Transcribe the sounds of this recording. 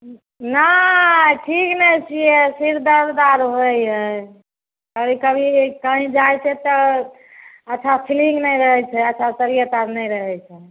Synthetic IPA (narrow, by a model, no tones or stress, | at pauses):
na | ʈʰiknɛt͡ʃʰijesiɾd̪əɾd̪aɾɦojɦə | əɾikəbʱikaɦĩd͡ʒajt͡ʃʰɛt̪ə | ətːt͡ʃʰapʰilĩŋɡnɛjɾəɦɛt͡ʃʰɛətːt͡ʃʰasəɾijət̪aɾnɛjɾəɦɛt͡ʃʰɛ